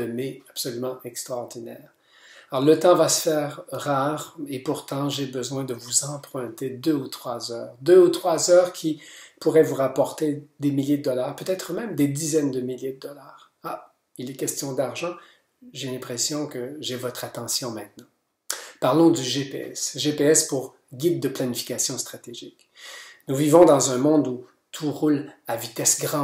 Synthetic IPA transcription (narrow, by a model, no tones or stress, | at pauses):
əmeapsɔlymɑ̃ʔɛkst̪ʁaːʁd̪inɛ̰ːʁ | aɔʁlət̪ɑ̃vasə̥fɛːʁːaːʁepuʁt̪ɑ̃ʒebəzwɛ̃d̪əvuzɑ̃pχɛ̃t̪ed̪øut̪χwazœːʁd̪øut̪χwazœːʁkʲʰipuʁɛvuʁapɔʁt̪ed̪emiljed̪əd̪ɔlaːʁpøt̪ɛt̪χəmɛ̃md̪ed̪izɛnd̪əmiljed̪əd̪ɔlaːʁ | a | ilɛkʲɛst̪jɔ̃d̪aʁʒɑ̃ | ʒelɛ̃pχesjɔ̃kəʒevɔt̪χat̪ɑ̃sjɔ̃mɛ̃t̪nɑ̃ | paʁlɔ̃d̪yʒepḛɛ̰sʒepeɛspuʁ | ɡʲid̪̚ːəplanifi̥kʲasjɔ̃st̪χat̪eʒik | nuvivɔ̃d̪ɑ̃zɛ̃mɔ̃d̪u | t̪ʰuʁulavit̪ɛsɡʁɑ̃